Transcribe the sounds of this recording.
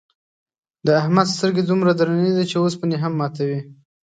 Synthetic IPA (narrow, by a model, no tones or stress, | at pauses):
d̪əahmad̪st̪əɾɡed̪umɾad̪ɾaned̪at͡ʃeospəneɦamːɑt̪awi